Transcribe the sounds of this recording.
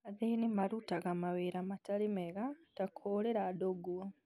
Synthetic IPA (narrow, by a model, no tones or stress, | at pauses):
aðejnimaɾutaɣamaβeɾamatalimeɣatakʰoːleɾadoɡua